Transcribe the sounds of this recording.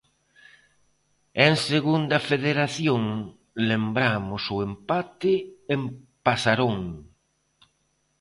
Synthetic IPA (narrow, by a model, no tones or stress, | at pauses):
eŋseɣund̪ɐfeðeɾaθjoŋ | lembɾamʊsʊempat̪ɪempasaɾoŋ